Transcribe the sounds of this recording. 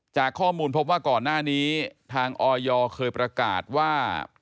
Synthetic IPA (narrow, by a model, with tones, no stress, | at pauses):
t͡ɕaː˨˩kʰːɔː˥˩muː˧npʰo˦˥p̚waː˥˩kɔː˨˩nːaː˥˩niː˦˥t̪ʰaː˧ŋʔɔː˧jɔː˧kʰɤː˧jpɾa˧ka̰ː˨˩t̪̚waː˥˩